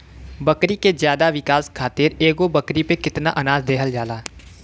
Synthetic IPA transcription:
bɐkɾikezjaːd̪aʋɪkaːskʰaːt̪ɪɾeːɡobɐkɾipekɪt̪naʔɐnaːzd̪eːɦəld͡ʒaːlaː

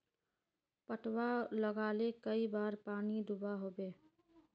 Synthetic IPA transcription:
pəʈwaləɡaːlekəibaːɾpaːnid̪ʊbaɦoːbeː

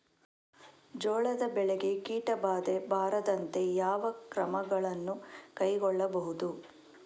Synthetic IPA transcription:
d͡ʒɔːɭɐd̪ɐbɛɭeɡekiːʈɐbaːd̪e̞bʱaːɾɐd̪ɐnt̪e̞jaːʋɐkɾɐmɐɡɐɭɐnːukɐjɡɔɭːɐbɐɦud̪u

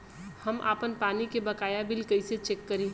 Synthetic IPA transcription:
həmʔa̰ːpənpaːnikebəkaːjabɪlkəɪset͡ʃeːkːəɾĩː

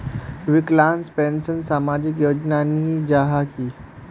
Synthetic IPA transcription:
ʋiklãnspensənsamad͡ʑikjod͡ʑnanid͡ʑaɦaki

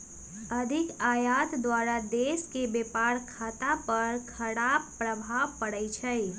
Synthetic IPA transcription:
əd̪ʱɪkaːjat̪d̪waɾad̪eʃkebepaɾkʰaːt̪apəɾkʰəɽabːɾəbʱaʋpəɽəɪt͡ʃʰɛj

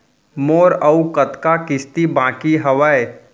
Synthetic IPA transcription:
moːɾɐukət̪kakɪst̪ibãːkiɦɐʋəe

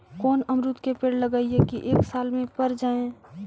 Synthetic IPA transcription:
kɔːnəmɾʊt̪kepeːɽləɡaːiɦekiʔeːksaːlmẽpəɾd͡ʒaːẽ

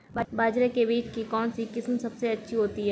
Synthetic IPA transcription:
babaːd͡ʒɾekebiːt͡ʃkikɔːnsikɪsmsɐbseɐtːʃʰiɦoːt̪iɦɛː

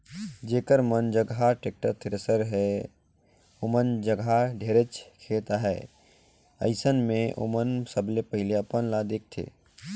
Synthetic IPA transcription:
d͡ʒeːkəɾmənd͡ʒəɡʱaʈek̚ʈəɾt̪ʰɪɾəsəɾɦɛ | omənd͡ʒəɡʱaɖʱeːɾət͡ʃkʰeːt̪aɦɛ | ə̰ɪsənmẽʔo̰mənsəblepəɦɪleəpənlad̪eːk̚t̪ʰḛː

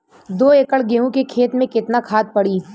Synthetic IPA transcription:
d̪oːekəɭɡeːɦõkekʰeːt̪mẽkɪt̪nakʰaːt̪̚pɐɽiː

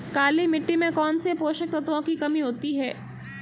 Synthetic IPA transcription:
kaːlimɪʈːimẽkɔːnsepoːʃək̚t̪ɐt̪ʋõkikɐmiɦoːt̪iɦɛː

